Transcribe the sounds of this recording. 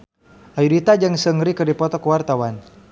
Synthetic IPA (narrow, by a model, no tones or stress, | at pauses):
ʔajudit̪ad͡ʒəŋsəŋɾikərdipɔt̪ɔkəwart̪awan